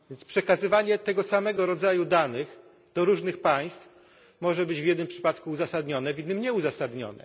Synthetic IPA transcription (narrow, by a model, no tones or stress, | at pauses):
vʲjɛnspʂɛkazɘvaɲɛt̪ɛɡɔsamɛɡɔɾɔd̪zajud̪anɘx | d̪̥ɔɾuʐnɘxpaj̃st̪f | mɔʐɛbɘd͡ʑvʲjɛd̪nɘmpʂɘ̥pat̪kuːzasad̪ɲɔnɛvʲid̪ɘmɲɛuzasad̪ɲɔ̰nɛ̰